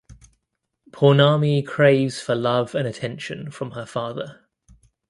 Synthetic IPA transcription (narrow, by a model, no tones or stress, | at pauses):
pʰɔːnɑːmikʰɹ̥eɪvz̥fəlʌvə̃nətʰɛ̃nʃə̃nfɹə̃məfɑːðə